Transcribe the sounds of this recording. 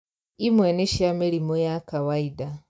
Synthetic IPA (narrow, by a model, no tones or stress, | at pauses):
imweneʃjameɾimojakawaida